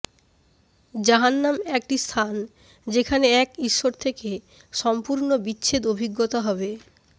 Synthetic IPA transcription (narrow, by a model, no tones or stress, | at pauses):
d͡ʑaɦanːamɛk̚ʈist̪ʰan | d͡ʑekʰaneɛkiʃːoɾt̪ʰeke | ʃɔmpuɾnobitːɕʰed̪obʱiɡːot̪aɦɔbe